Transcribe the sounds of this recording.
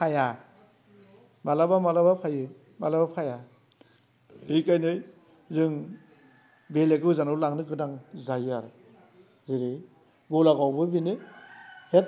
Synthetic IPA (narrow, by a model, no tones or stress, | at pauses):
pʰaja | malabamalabapʰajɯ | malabapʰaja | hijkajnɯj | zɯŋ | belekɯwzanɯɾlaŋnɯɡɯnaŋzajɯaɾ | ziɾi | ɡɔlaɡawbɯbinɯ | het̚